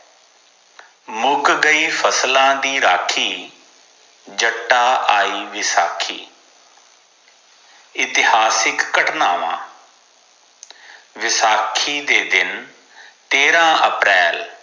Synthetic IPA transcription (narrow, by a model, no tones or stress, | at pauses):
mʊɡɡəiːpʰəslãːd̪iːɾaːkʰiː | d͡ʒəʈːaːʔaːiːʋɪsaːkʰḭː | ɪt̪ɪɦaːsɪkːəʈnaːʋã̰ː | ʋɪsaːkʰiːd̪eːd̪ɪn | t̪eːɾãːʔəpɾɛːl